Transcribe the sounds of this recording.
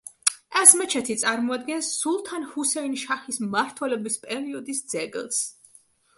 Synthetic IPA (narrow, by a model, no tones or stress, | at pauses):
ɛsmɛt͡ʃʰɛt̪ʰit̪sʼaɾmɔad̪̚ɡɛnsːulˠt̪ʰanhusɛinʃaχismaɾt̪ʰwɛlɛbispʼɛɾiɔd̪isd̪z̥ɛɡɛ̰lˠs